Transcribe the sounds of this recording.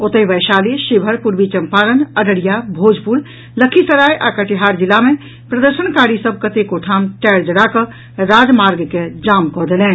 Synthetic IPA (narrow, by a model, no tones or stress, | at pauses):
ot̪əjʋəjʃaliʃibʱəɾpuɾbit͡ʃəmpaɾənəɖəɽijabʱod͡ʒpul | ləkʰisəɾajʔakəʈiɦaɾd͡ʒilːame | pɾəd̪əɾʃəñkaɽisəb̚ʱkət̪ekoʈʰamʈɛɽd͡ʒəɽakə̃ | ɾad͡ʒmaɾɡked͡ʒamkɔɦd̪elɛ̃ːn